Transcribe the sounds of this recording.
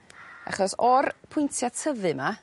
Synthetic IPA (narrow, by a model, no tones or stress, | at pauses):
a̰χɔsɔrpʰʊjntʰjatʰəvɨma